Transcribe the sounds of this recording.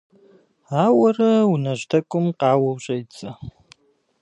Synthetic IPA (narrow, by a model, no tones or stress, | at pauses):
aːwɐrɐunɐʑtʰɐkʷʼʊmqɑːwɐwɕʼɐjt͡sʼɐ